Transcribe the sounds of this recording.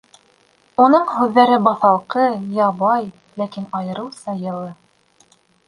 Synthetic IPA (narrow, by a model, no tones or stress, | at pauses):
unɤɴɦʉðːæɾɘbɑθɑlˠqɤjɑβɑj | lækinɑjɤ̆ɾɤwsɑjɤ̆lˠɤ